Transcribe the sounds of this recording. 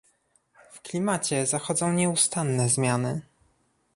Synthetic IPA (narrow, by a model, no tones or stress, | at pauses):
fklʲimat͡ɕɛzaxɔd̪zɔ̃w̃ɲɛust̪anːɛzmʲjanɘ